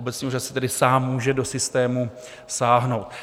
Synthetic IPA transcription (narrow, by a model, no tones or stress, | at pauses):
obɛt̪sɲiʔoɾassɛ̥t̪ɛdɪsaːmːuːʒɛdo̞sɪst̪ɛːmu | saːɦno̞wt̪̚